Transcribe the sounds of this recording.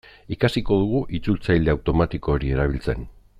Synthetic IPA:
ikasiko̞ð̞uɣ̞uʔit͡sult͡sajld̪e̞awt̪o̞mat̪iko̞ːɾie̞ɾaβ̞ilt͡se̞̰n

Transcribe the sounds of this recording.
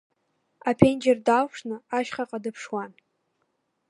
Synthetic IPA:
apʰend͡ʒerdawʰʂnɨaʃχaqʼadɨpʰʂwan

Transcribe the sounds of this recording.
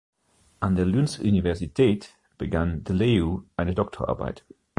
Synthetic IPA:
ʔandeːɐlynsʔunivɛɐzitʰɛːt | b̥əɡandəleuʔaɪnədɔk̚tʰo̰ʔa̰ɐba̰ɪt

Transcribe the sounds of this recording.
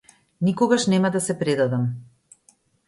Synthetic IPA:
nikɔɡaʃnɛmad̪asɛpɾɛd̪ad̪am

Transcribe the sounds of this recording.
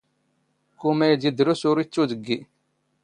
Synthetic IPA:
kːumæjd̪id̪ɾusʊɾit͡sːuðəɡːi

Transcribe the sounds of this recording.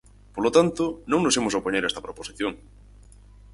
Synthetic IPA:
polot̪ant̪ʊnõŋnosemosaopoɲeɾɛst̪ɐpɾoposiθjoŋ

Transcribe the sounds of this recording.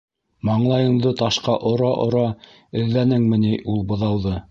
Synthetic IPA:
mɑɴlˠɑjɤ̆ɴd̪ɤt̪ɑʃqɑʔŏɾɑʔŏɾɑ | ɘ̆ðlænɘŋmɘ̆niʔulˠbŏðɑwðɤ

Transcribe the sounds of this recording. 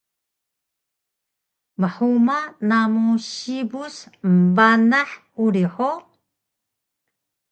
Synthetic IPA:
məħumanamuɕibusmbanaħ | uɾiħo

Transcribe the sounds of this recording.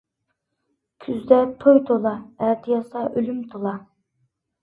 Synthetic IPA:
kʲʰyzd̪ɛt̪ʰojt̪ʰolˠɑæɾt̪ʰijɑsɑʔølymt̪ʰolˠɑ

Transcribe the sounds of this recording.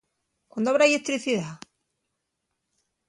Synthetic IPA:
kwãnd̪oaβɾaelet̪ɾiθiða

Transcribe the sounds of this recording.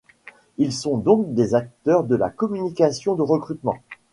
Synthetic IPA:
ilsɔ̃d̪ɔ̃kd̪ezak̚t̪œʁd̪əla̰kɔmynikasjɔ̃d̪əʁəkχyt̪mɑ̃

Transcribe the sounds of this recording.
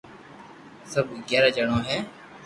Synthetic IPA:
səbʱɡɛːɾaːd͡ʒəɳõːɦɛː

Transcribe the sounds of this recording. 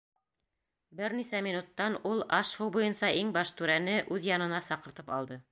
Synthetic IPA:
bɘɾnisæmʲinut̪ːɑnulˠɑʃhɤwbujɤnsɑʔiŋbɑʃt̪ʉɾænɘʔʉðjɑnɤ̆nɑsɑqɤ̆ɾt̪ɤpɑ̰lˠd̪ɤ

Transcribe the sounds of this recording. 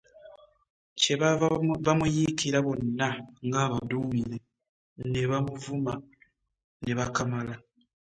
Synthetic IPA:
ce̞ββamujikiɾaβo̞nːaŋɡaːβaduːmiɾe | ne̞βamuvuma | ne̞βakamala

